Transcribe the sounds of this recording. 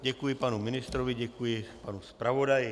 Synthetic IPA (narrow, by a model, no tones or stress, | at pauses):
ɟɛkujɪpanumɪnɪst̪ɾoʋiɟɛkujɪpanuspɾavodaj